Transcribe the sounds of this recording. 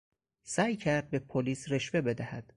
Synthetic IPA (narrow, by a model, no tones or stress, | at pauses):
sæːjcʰæɾd̪̚be̞pʰoliːsɾeʃve̞be̞d̪æhæd̪̥